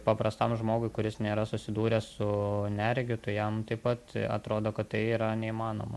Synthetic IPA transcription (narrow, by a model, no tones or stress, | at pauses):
pɐpɾɐst̪ɐmʒmoːɡʊɪkʊɾʲɪsnʲeːɾɐsʊsʲɪd̪uːɾʲɛssʊnʲɛɾʲɡʲɪt̪ʊjɛmt̪ɐɪpɐt̪ɐ̰t̪ɾoːd̪oːkɐt̪t̪ɐɪiːɾɐnʲɛimɑːno̰ːmɐ